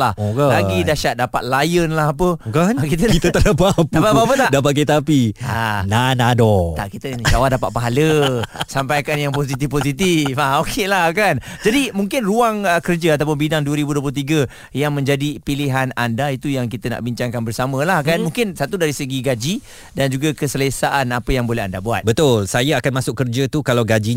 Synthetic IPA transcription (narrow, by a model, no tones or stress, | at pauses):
lahklaɡidaʃat̪̚dapat̪̚lajənlahap̬əkankit̪əkiət̪əlapapdapapapət̪aʔdapat̪̚ket̪apia̰nanadɔt̪a̰ʔkit̪ənd͡ʒawadapa̰t̪̚paɦaləsampajakanjaŋpos̬it̪ifposit̪ifaokʰelahkand͡ʒadimũŋkɪnruaŋəkərd͡ʒəat̪apʊnbidaŋduəɾibuduəplʊut̪iɡə | jaŋmə̃ɲd͡ʒadipiliɦanandait̪ujaŋkit̪əna̰ʔbiɲt͡ʃaŋkanbərsamə̃lahkanmũŋkɪnsat̪udaɾisəɡiɡad͡ʒi | dand͡ʒuɡakəsələsaʔanapəjaŋbolɛɦa̰ndabua̰t̪bət̪ʊlsajaakanmãsʊkːərd͡ʒət̪ukalawɡad͡ʒi